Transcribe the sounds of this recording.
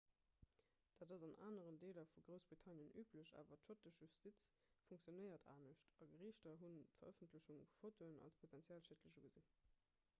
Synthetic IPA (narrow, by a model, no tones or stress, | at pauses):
d̥aːdɑzɑnʔa̰ːnəʁəndeːlɐfuɡʁəʊsb̥ʁitʰɑnjənyːpʰləɕa̰ːvɐtʃotəʒʒystit͡s | fuŋk̚t͡sjonəɪɐtʰa̰ːnəʃtɑɡəʁiːʃtɐɦuntfɐ̰ʁəfəntʰləɕuŋffotʰoənɑ̰lspʰotʰænt͡sjaːlʃetləɕuɡəzin